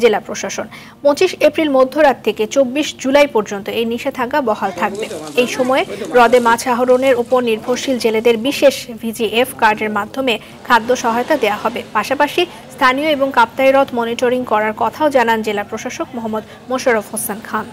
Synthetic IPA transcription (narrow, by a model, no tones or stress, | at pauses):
d͡ʑelapɾoʃaʃon | põt͡ɕiʃepɾilmod̪ʱːoɾat̪t̪ʰeket͡ɕobːiʃd͡ʑulajpɔɾd͡ʑont̪oejniʃet̪ʰakabɔɦalt̪ʰak̚beejʃɔmɔeɾɔd̪emãt͡ɕʰaɦoɾoneɾupoɾniɾbʱoɾʃild͡ʑeled̪eɾbiʃeʃbʱid͡ʑiʔefkaɾɖeɾmad̪ʱːome | kʰad̪ːoʃɔɦaot̪ad̪eahɔbepaʃapaʃi | st̪ʰanioeboŋkap̚t̪ajɾɔt̪ʰmoniʈoɾiŋkɔɾaɾkɔt̪ʰaod͡ʑanand͡ʑelapɾoʃaʃokmoɦamːud̪ | moʃaɾofhosenkʰan